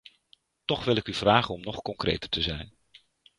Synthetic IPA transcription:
tɔχʋɪlɪkyvraːχənɔmnɔχkɔŋkrḛjtəɹtəzɛjn

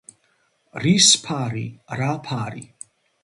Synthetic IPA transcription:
rispʰaːrḭraːpʰaːrḭ

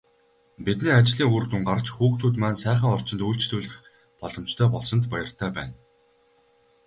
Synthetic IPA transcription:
pit̪niːat͡ɕɮiːŋurt̪uŋɢart͡ɕxuːkt̪ʰuːt̪maːnsæːχə̆ŋɔr̥t͡ɕɪ̆nt̪uːɬt͡ɕt̪uːɮɘ̆χ | pɔɮɞ̆mt͡ɕt̪ʰœːpɔɮsɞ̆nt̪pajə̆r̥t̪ʰæːpæ̰ːn

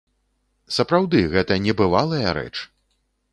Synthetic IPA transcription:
sɐpɾawd̪ɨɣɛt̪ɐnʲɛbɨvalˠɐjɐɾɛ̰t͡ʂ

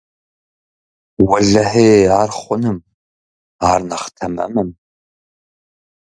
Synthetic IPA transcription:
wɐɮɐħeːaːrχʷʊnɨm | aːrnɐχtʰɐmɨ̰mɨm

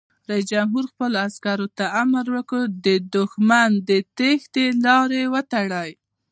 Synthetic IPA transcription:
ɾais̬d͡ʒamɦuɾxpəloaskaɾot̪aamaɾwəkəd̪əd̪ʊxmand̪ət̪ext̪elɑɾewət̪aɽaj

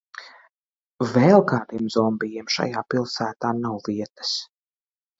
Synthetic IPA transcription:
vɛlˠkaːd̪imzɔmbijiɛmʃa̰jaːpilˠsæːt̪aːnawviɛt̪ə̥s

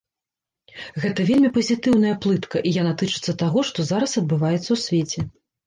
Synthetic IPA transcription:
ɣɛt̪ɐvʲelʲmʲipɐzʲit̪ɨwn̪ɐjɐplˠɨt̪kɐʔijanat̪ɨt͡ʂɨt̪sːɐt̪aɣɔʂt̪ɔzaɾɐsɐd̪̚bɨvajɛt̪sːɐwsʲvʲet͡sʲɛ

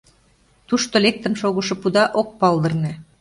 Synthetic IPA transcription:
t̪uʃt̪olʲek̚t̪ə̆nʃoɣŏʃɤ̆pud̪ɑʔok̚pɑlˠd̪ɤ̆rnĕ

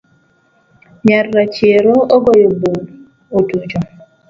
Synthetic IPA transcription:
ɲarːat͡ʃjeɾooɡɔjobul | otud͡ʒo

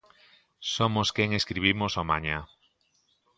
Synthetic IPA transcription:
somoskeŋeskɾiβ̞imosomãɲã

